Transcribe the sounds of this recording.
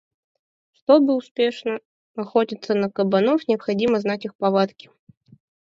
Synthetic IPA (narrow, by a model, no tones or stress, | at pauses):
ʂt̪obɨʊspʲeʂnə | ɐxotʲɪt̪sːənəkəbɐnɔfnʲɪɐpxɐdʲiməznatʲixpɐvat̪kʲɪ̥